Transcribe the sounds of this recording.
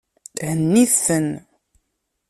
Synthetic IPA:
hənːiθθən

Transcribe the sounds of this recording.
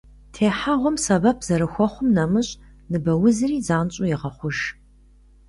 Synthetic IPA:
tʰeːħaʁʷɔmsɐbɐpʰz̥ɐɾɨxʷɔχʷʊmnɐmɨɕʼ | nɨbɐwʊzɨriːzaːnt͡ɕʼujɪʁɐχʷʊʒ

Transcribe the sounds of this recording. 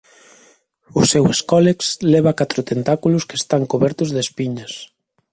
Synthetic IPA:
ʊseweskɔlekslɛβakat̪ɾʊt̪ent̪akulʊskest̪aŋkoβɛɾt̪ʊzðespiɲɐs

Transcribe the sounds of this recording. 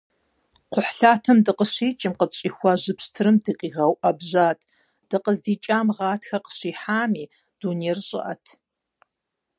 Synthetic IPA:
qʷʊħɬaːtʰɐmdɨqəɕiːt͡ʃʼɪmqət͡ʃʼiːxʷɐʑɨpɕtʰɨɾɨmdɨqʼiːʁɐwʔɐbʑaːtʰʼ | d̥ɨqəzdiːt͡ʃʼaːmʁɑːtʰxɐqə̥ɕiːħaːmiː | d̥uːnerɕʼɪ̰ʔɐ̰tʰ

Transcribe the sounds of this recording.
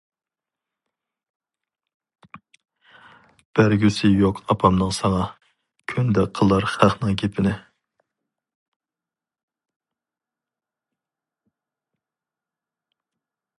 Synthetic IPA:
b̥æɾɡʲysɪjoqʰɑpʰɑmnəŋsɑŋɑ | kʲʰynd̪ɛqʰəlˠɑɾχæχnɨŋkʲʰepʰɪnɪ

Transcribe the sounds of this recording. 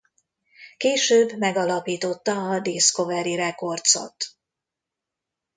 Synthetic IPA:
keːʃøːbːmɛɡɒlɒpiːt̪o̞t̪ːɒːd̪eːsko̞vɛɾiɾɛko̞rt̪so̞̰t̪

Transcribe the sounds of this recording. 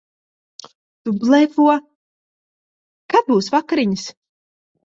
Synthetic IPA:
t̪ublˠɛvuɔ | kat̪̚buːsvakaɾiɲis

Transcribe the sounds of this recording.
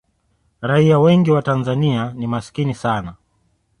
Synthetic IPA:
ɾaiawɛŋɡiwatanzanianimasi̥kinisana

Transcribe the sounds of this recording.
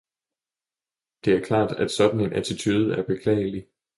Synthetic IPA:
d̥e̝æɐkʰlɑ̰̈ːd̥æd̥sɒ̽d̥n̩e̝nʔæt͡sʰit͡sʰyːð̞̩ˠæɐb̥e̝kʰlɛ̰ːɪəli

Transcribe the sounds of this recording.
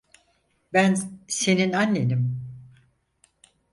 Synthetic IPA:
bænse̞ninanːenim

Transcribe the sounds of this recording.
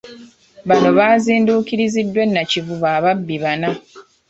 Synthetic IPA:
βano̞βaːziːnduːkiɾizidːwe̞nːacivuβaːβabːiβana

